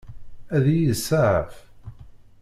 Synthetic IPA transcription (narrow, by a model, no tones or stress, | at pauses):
æðijsːaʕə̰f